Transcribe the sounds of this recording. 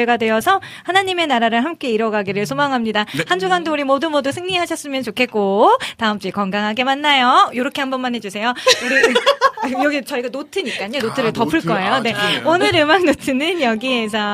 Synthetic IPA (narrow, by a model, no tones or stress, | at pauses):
ɭɡadwe̞ʌsʰʌ | hanaɲime̞naɾaɾɯɭɦamk͈e̞iɾʌɡaɡiɾɯɭsʰomaŋɦamɲidahand͡ʑuɡandouɾimodumodusʰɯŋɲiɦaɕʰʌs͈ɯmjʌnt͡ɕokʰe̞t̚k͈otaɯmt͡ɕ͈ikʌŋɡaŋɦaɡe̞manːajojoɾʌkʰe̞ɦambʌnmanɦe̞d͡ʑusʰe̞jouɾi | jʌɡit͡ɕʌiɡanotʰɯɲik͈aɲonotʰɯɾɯɭtʌpʰːɯɭk͈ʌe̞jone̞onɯɾɯmakŋnotʰɯnɯnjʌɡie̞s̬ʰʌ